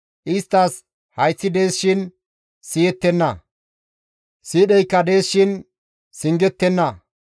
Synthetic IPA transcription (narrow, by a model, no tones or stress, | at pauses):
ʔɪst̪ːɐs | hɐjt͡sːɪd̪e̞ːsʃɪn | sɪjɛt̪ːɛnːɐ | siːɗɛjkːɐd̪e̞ːsʃɪn | sɪŋɡɛt̪ːɛnːɐ